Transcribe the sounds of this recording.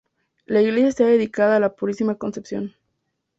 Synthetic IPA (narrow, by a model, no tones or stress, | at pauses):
laiɣle̞sjaestaðe̞ðikaðaːlapuɾisimako̞nsepsjo̞̰n